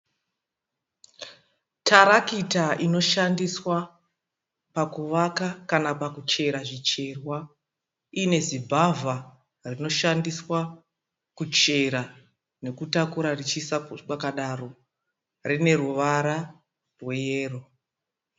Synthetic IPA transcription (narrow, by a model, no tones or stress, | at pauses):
tʰaɾakitaʔino̞ʃandiswa | pakuʋakakanapakut͡ʃe̞ɾaʐit͡ʃe̞rwa | ine̞zibʱava | rino̞ʃandiswa | kut͡ʃe̞ɾa | ne̞kutakuɾarit͡ʃisakwakaɗaro̞ | rine̞ruʋaɾa | rwe̞je̞ːro